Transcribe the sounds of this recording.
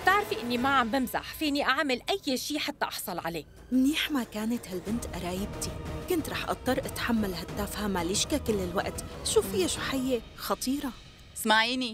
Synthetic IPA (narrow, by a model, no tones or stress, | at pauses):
t̪ɪʕɾfiʔɪnːimaʕambɪmza̰ħfiːniʔaʕmɪlʔajːʃiːħat̪ːaʔɑħsˤɑlʕaleː | mɪniːħmakaːnat̪halbɪnt̪ʔɑɾˤɑːjɪbt̪ikʊnt̪ɾˤɑːħʔɑ̰t̪ˤːɑrˤːʔat̪ħamːalhad̪ːaːfhamaliʃkakɪlːɪlwa̰ʔt̪ʔʃuːffɪjːaʃuħɪjːe | xɑt̪ˤiːɾˤɑ | smaʕiːni